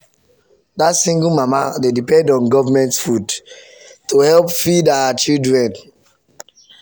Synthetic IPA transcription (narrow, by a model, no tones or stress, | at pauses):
datsĩŋɡulmamadedipɛ̃ndɔ̃nɡɔvamɛ̃ntfud | tuhɛlpfidawat͡ʃildɹɛ̃n